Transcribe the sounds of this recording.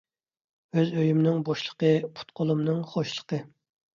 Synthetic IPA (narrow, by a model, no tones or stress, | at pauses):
øzøjymnɪŋboʃlˠə̥qəpʰu̥t̪̚qʰolˠumnɨŋχoʃlˠə̥qʰə